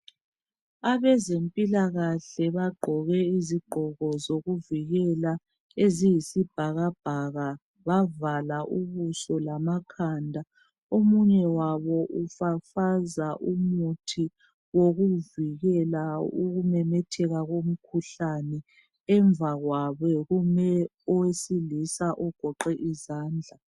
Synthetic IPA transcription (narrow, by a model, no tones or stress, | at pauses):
aβɛzempʼilaɣaɬɛβaɡ͡ǃʱɔɣɛiziɡ͡ǃʱɔɣɔzoɣuviɣɛla | ezijisib̥ʱaɣab̥ʱaɣa | βavalaʔuβusɔlamakʰandʱa | omuɲɛwaβɔʔufafazaʔumutʰi | woɣuviɣɛlauɣumɛmɛtʰɛɣaɣom̩kʰuɬanɛ | ɛɱvʱaɣwaβɛɣumɛ | ɔwesilisaʔɔɡ̥ʱɔǃɛʔizaːnd͡ɮʱa